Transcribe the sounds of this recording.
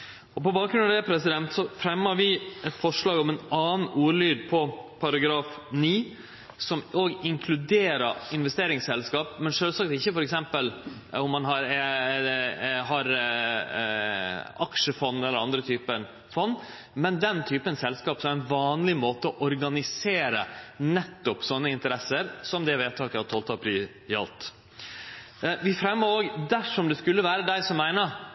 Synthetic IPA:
ɔpɔbɑːk̚ɾʉnɑɛpʰɾɛsɪd̪ɛnt̪sɔfɾɛmːəɾʋɪɛt̪fɔʂɭɑːɡɔmɛnɑːnuːɾɭyːd̪̚pʰɔpʰɑɾɑɡɾɑːfniː | sɔmoːɡɪŋkʰlʉd̪eːɾəɪnʋɛst̪eːɾɪŋsɛlskɑːpmɛnʂøːlsɑk̚t̪ɪçːəfɔɾɛksɛmpəl | ʊmːɑnɦɑɾɛ | ɦɑɾ | ɑkʂəfɔnːɛlːəɾɑnd̪ɾət̪ʰyːpən | fɔnː | mɛnd̪ɛnt̪ʰyːpənsɛlskɑːpsɔmæɪnʋɑːnlɪmoːt̪əɔʔɔɾɡɑnɪseːɾənɛt̪ːʊpsɔnːəɪnt̪əɾɛsəɾsɔmd̪ɛʋeːt̪ʰɑːkəhɑt̪ʰoːlt̪ɑpʰɾyː | ɪɑ̰lt̪ | ʋɪfɾɛmːəɾoːɡd̪æʂɔmd̪ɛskʉlːəʋæːɾəd̪æɪsɔmːæɪnəɾ

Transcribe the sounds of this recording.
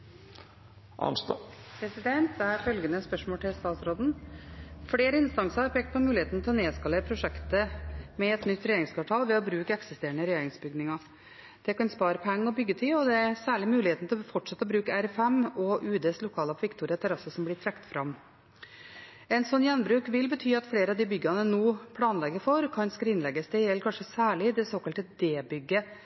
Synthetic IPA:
ʔɑ̰ns | pʰɾɛsɪd̪ɛnt̪æɾfœlɡənəspœʂmoːlʈ̪ʰɪlst̪ɑːt̪sɾoːd̪n̩ | fleːɾəɪnst̪ɑŋsəɑɾpʰeːk̚t̪̚pʰɔmʉːlɪeːt̪n̩t̪ʰɪlɔneːskɑləpʰɾʊʂɛkt̪əmɛɛt̪nʏt̪ːɾɛjeːɾɪŋskʰʋɑːʈʰɑːlʋɛɔbɾʉːkəɛksɪst̪eːɾəɳəɾɛjeːɾɪŋsbʏɡnɪŋɑ | d̪̥ɛkɑnspɑːɾəpʰɛŋːəɔbʏɡːət̪ʰɪlɔd̪ɛæɾsæːɭɪmʉːlɪheːt̪nt̪ɪlfɔʈʂɛt̪ːəɔbɾʉːkəæɾɛfɛmɔʔʉːd̪eːslʊkʰɑːlɑʋɪkt̪ʰuːɾɪɑt̪ʰɛɾɑsəsɔmblɪʈʰɾɛkt̪fɾɑm | ɛnsɔnːjɛnːbɾʉːkʋɪlbət̪ʰyːɑt̪fleːɾəɑʋd̪ɪbʏɡːɑnənoːpʰlɑːnlɛɡːəfɔɾkʰɑnsk̪ɪnlɛɡːəsd̪ɛjɛlːkʰɑnʂəsæːɭɪd̪ɛsoːkɑlt̪əd̪eːbʏɡːə

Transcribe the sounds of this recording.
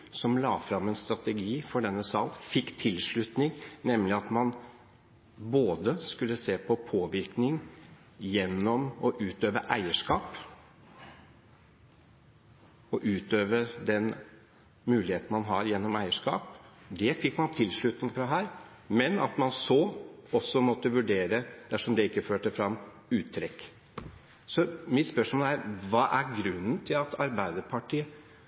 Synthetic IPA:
sɔmlɑːfɾɑmːɛnst̪ɾɑt̪əɡiːfɔɖɛnːəsɑlfɪkːt̪ʰɪlʂɭʉt̪nɪŋnɛmlɪɑt̪mɑn | boːd̪əskʉlːəseːpʰɔpʰoːʋɪɾknɪŋ | jɛnːɔmɔʔʉːt̪øːʋəʔæɪəʂkɑːp | ɔʔʉːt̪øːʋəɾd̪ɛn | mʉːlɪheːt̪n̩mɑnɦɑɾjɛnːɔmæɪəʂkɑ̰ːpd̪ɛfɪkːmɑnt̪ʰɪlːʂɭʉt̪nɪŋfɾɑɦæːɾ | mɛnɑ̰t̪mɑnsɔɔsːɔmɔt̪ːəʋʉɖeːɾəd̪̥æʂɔmd̪ɛɪkːəføːʈəfɾɑmː | ʉːt̪ʰːɾɛkː | sɔmɪt̪spœʂmoːlæɾʋɑːʔæɾɡɾʉnːənt̪ʰɪlɑt̪ʰɑɾbæɪd̪əpʰɑʈiːə

